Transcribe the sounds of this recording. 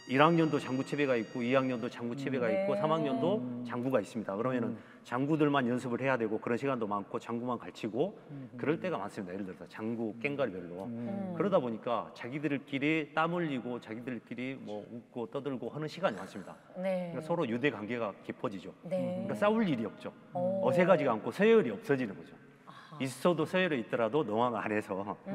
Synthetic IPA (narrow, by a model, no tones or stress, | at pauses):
iɾaŋɲʌndot͡ɕaŋɡut͡ɕʰe̞be̞ɡaik̚k͈oiɦaŋɲʌndot͡ɕaŋɡut͡ɕʰe̞be̞ɡaik͈̚osʰamaŋɲʌndot͡ɕaŋɡuɡais͈ɯmɲidakɯɾʌmjʌnɯn | t͡ɕaŋɡudɯɭmanjʌns̬ʰɯbɯɭhe̞jadwe̞ɡokɯɾʌnɕʰiɡandomankʰot͡ɕaŋɡumankaɭt͡ɕʰiɡokɯɾʌɭt͈e̞ɡama̰ns͈ɯmɲidaiɾɯɭdɯɾʌsʰʌt͡ɕaŋɡuk͈e̞ŋɡaɭbjʌɭːokɯɾʌdaboɲik͈at͡ɕaɡidɯɭk͈iɾit͈amɯʎːiɡot͡ɕaɡidɯɭk͈iɾimwʌuk̚k͈ot͈ʌdɯɭɡohʌnɯnɕʰiɡaɲima̰ns͈ɯmɲida̰ | nkasʰʌɾojude̞ɡwaŋɡe̞ɡakipʰʌd͡ʑid͡ʑokas͈auʎːiɾiʌp̚t͡ɕ͈o | ʌsʰe̞ɡad͡ʑiɡaːnkʰosʰʌeɯɾiʌp̚s͈ʌd͡ʑinɯnɡʌd͡ʑo | is͈ʌdosʰʌeɾeit͈̚ʌɾadonoŋaɡanɦe̞sʰʌ